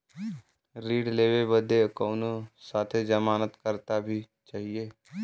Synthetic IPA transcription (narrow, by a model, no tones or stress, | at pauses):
ɾiːɽleːwebəd̪ekoːnosaːt̪ʰed͡ʒəmaːnət̪kəɾt̪abʱi | t͡ʃaːɦieː